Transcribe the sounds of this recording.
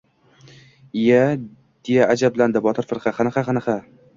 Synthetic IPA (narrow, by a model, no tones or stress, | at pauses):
ja | d̪̥ejaʔad͡ʒabland̪ɪbɒt̪ʰɪɾfɨɾqʰɑχanɨqaχanɨqa